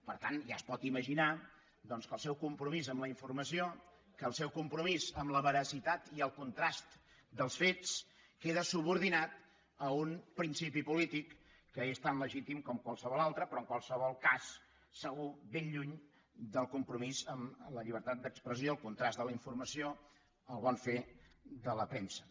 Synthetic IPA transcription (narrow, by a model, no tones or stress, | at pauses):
pəɾt̪anʒa̰əspɔt̪iməʒina | d̪ɔnskəlˠsɛwkumpɾumizəmləiɱfuɾrməsio | kəːlˠsɛwkumpɾumizəmləβəɾəsit̪at̪iəlˠkunt̪ɾast̪ | d̪əlˠsfets | keðəsuβuɾðinat̪ | əunpɾinsipipulit̪ikː | əest̪anləʒit̪imkɔmkwalˠsəβɔlalˠt̪ɾəpɾɔəŋkwalˠsəβɔlˠkasː | əɣubenʎuɲ | d̪əlˠkumpɾumizəmləʎiβ̞əɾt̪at̪̚d̪əkspɾəs̬ioəlˠkunt̪ɾazd̪ələiɱfurməsio | əlˠβɔnfed̪ələpɾensə̥